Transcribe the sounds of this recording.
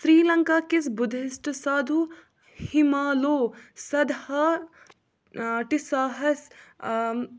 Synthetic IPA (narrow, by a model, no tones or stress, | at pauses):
sɾiːlɐŋkaːkisbʊd̪ʱɪsʈsaːd̪ʱu | himaːloːsɐd̪hɐ | ʈisaːɦɐs